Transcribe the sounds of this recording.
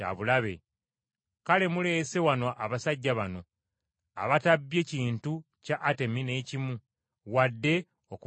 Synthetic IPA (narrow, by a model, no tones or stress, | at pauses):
a̰βulaβe̞̰ | kale̞mule̞ːse̞wanoʔaβasaɟːaβano̞ | a̰βatabːje̞ːciːntu | caʔːte̞mine̞cimu | wadːe̞ | oku